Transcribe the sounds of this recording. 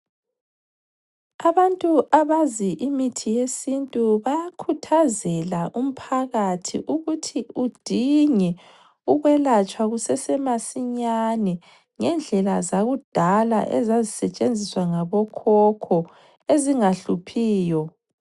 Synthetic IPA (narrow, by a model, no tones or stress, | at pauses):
aβantʼuaβaziʔimitʰijesintʼuβaakʰutʰazɛlaʔum̩pʰaɣatʰḭʔuɣutʰiud̥ʱiɲɛ | uɣwɛlat͡ʃʼwaɣusɛsɛmasiɲanɛ | ŋɛnd͡ɮʱɛlazaɣud̥ʱala̰ʔɛ̰zazisɛt͡ʃʼend͡zʱiswaŋaβɔkʰɔkʰɔ | eziŋaɬupʰiːjɔ